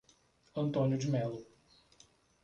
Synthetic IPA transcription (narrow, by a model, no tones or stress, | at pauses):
ɐ̃nt̪õnjʊd͡ʒimɛlʊ